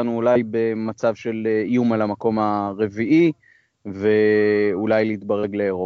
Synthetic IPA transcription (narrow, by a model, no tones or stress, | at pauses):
anuːlajbe̞mat͡savʃe̞lijumalamako̞maʁe̞viʔi | ve̞ulajleit̪̚baʁe̞ɡleːʁo